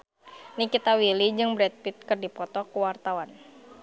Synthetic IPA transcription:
nikit̪awilid͡ʒɨŋbɾɛt̪̚pit̪̚kɨrdipɔt̪ɔkəwart̪awan

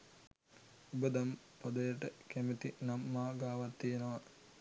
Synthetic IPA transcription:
ubəd̪am | pɐd̪əjəʈəkæmet̪inamːaːɡaːʋat̪ːijenəʋa

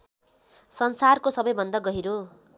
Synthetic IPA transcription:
sʌnsarkosʌbʌjbʱʌnd̪aɡʌɦiɾo

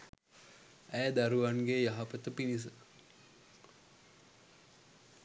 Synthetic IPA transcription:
æːd̪aɾuʋaŋɡejaɦapət̪əpinis̬ə

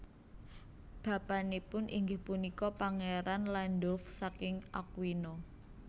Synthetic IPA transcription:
b̥a̤b̥ä̤nepʊnʔiŋɡɪhpunikɔpaŋeɾanlanɖɔfsakɪŋa̰k̚wino

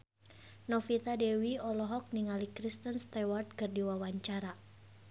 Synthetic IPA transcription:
nɔfit̪adɛwiɔlɔɦɔk̚niŋalikɾist̪ənst̪ɛwart̪̚kɨrdiwawaɲt͡ʃaɾa

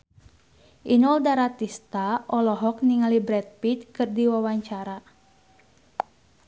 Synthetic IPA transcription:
ʔinɔldaɾat̪ist̪aɔlɔɦɔk̚niŋalibɾɛt̪̚pit̪̚kɨrdiwawaɲt͡ʃaɾa

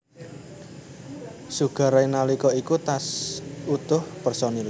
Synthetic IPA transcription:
suɡ̥a̤ɾainalikɔikut̪asut̪ʊhpərsɔnil

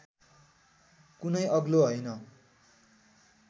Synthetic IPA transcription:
kunʌjʌɡloɦʌjnʌ

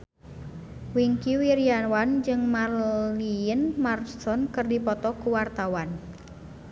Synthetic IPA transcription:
wiŋkiwiɾiawand͡ʒɨŋmaliənmarsɔnkərdipɔt̪ɔkuwart̪awan

